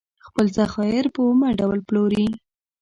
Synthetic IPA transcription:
xpəlzaxɑjɪɾpəumaɖawlploɾi

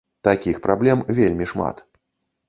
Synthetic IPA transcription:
t̪akʲixpɾablʲɛmvʲelʲmʲiʂma̰t̪

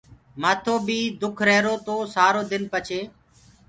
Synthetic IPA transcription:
maːt̪ʰoːbiːd̪ʊkʰɾɛːɾoːt̪oːsaːɾoːd̪ɪnpət͡ʃʰeː

